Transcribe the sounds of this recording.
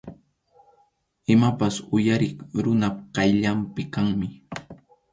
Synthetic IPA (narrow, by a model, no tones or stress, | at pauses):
ɪmapasʊjaɾɪŋɾʊnapqɑjʎampɪkaŋmɪ